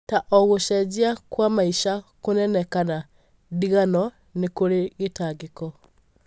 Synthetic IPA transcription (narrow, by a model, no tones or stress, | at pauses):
taʔɔɣoʃɛziakwamaiʃakonɛnɛkana | diɣanɔ | nekoleɣetaɡekɔ